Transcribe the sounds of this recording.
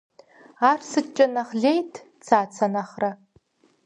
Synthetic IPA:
aːrsɨt͡ʃʼɐnaχɮejtʰ | t͡sʰaːt͡sʰɐnaχra

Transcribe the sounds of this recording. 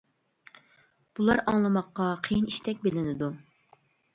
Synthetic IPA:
b̥ulˠɑɾɑŋlˠɨmɑqːɑqʰejiniʃt̪ɛk̚ʲbelɪnɪd̪u

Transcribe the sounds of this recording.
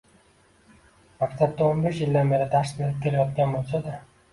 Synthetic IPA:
makt̪ʰat̪̚d̪aonbeʃjɪld̪anbe̞ɾɪd̪asmelɪp̚kʲʰe̞lajɒt̪kʲanbolˠsad̪a

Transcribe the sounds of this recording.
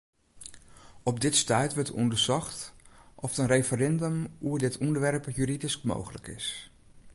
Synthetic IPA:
ɔpdɪtstœɥtʋətɔ̰ndəɹsɔχtʔɔftənrejfəɾɛndəmuəɹdɪtɔndəɹʋɛrpjyɾidiskmo̰wχələ̰kɪ̰s

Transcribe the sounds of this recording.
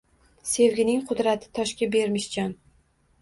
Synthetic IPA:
se̞vɡʲɪnɪŋqʰʊd̪ɾat̪ʰɪ̥t̪ʰɒʃkʲabe̞ɾmɪʃd͡ʒɒn

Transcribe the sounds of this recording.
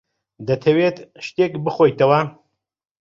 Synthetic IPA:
d̪ɐt̪ʰɐwet̪ʃt̪ekbɨxojt̪ɐwɐ

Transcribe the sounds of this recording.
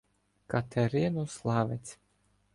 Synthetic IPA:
kat̪ʰɛɾinuslˠaːvʲɛt̪sʲ

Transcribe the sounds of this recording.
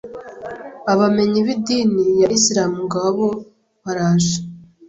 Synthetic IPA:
aβame̞ɲiβidiːnijaʔisiɾaːmuŋɡaβo | βaɾaːʒe̥

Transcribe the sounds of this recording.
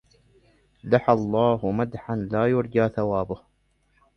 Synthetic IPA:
laħalˤːɑːhʊmad̪ħanlaːjʊɾˤd͡ʒaːθawaːbʊh

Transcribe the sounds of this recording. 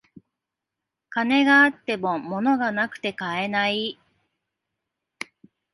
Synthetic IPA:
kane̞ɡaːt̪ːe̞mo̞mo̞no̞ɡanakɯ̟̥t̪e̞kae̞nai

